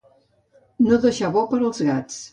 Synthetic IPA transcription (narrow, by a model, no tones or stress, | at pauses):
noðəʃaβɔpəɾəlˠzɣat͡s